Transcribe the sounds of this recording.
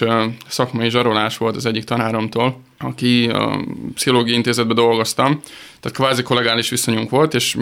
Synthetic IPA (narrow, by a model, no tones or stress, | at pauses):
sɒkmɒjiʒɒɾo̞laːʃʋo̞lt̪ɒzɛɟːik̚t̪ɒnaːɾɒmt̪oːl | ɒkḭ | psiɦo̞loːɡijint̪eːzɛd̪bɛd̪o̞lɡo̞st̪ɒmt̪aːt̪kʋaːziko̞lɛɡaːliʃʋiso̞ɲuŋkʋo̞lt̪eːʃ